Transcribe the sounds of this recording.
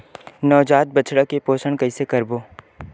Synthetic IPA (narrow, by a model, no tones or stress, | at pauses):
nɔːd͡ʒaːt̪̚bɐt͡ʃɽəkepoːsəɽ̃kɐisekɐɾboː